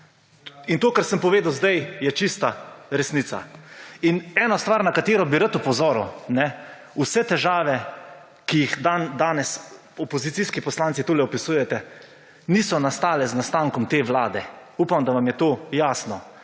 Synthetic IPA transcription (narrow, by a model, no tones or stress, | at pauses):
int̪oːkəɾsəmpɔʋeːd̪awzd̪ajjɛt͡ʃist̪aɾɛsnisa̰inɛːnɔst̪ʋaːɾnakat̪eːɾɔbiɾat̪upɔzɔːɾṵnɛ | usɛt̪ɛʒaːʋɛ | kijixd̪and̪aːnɛs | ɔpɔzit̪iskipɔslaːnsit̪oːlɛɔpisuːjɛt̪ɛ | niːsɔnast̪aːlɛznast̪aːŋkɔmt̪eːʋlaːd̪ɛupamd̪aʋamjɛt̪oːjaːsnɔ